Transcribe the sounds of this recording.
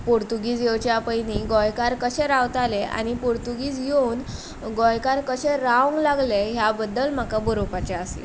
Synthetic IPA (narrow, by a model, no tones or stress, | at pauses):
puɾt̪uɡiːd͡zjewt͡ɕjaapəjniɡɔjkaɾkəɕɛɾawt̪aleʔa̰ñipuɾt̪uɡiːt͡sjeun | ɡɔjkaɾkəɕeɾawŋɡlaɡleɦjabəd̪ːəlm̤akabəɾopat͡ɕaəslḛ